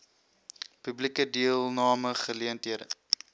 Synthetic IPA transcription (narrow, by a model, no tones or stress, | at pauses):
pyblikədiəlˠnɑːməχəliəntɦiədə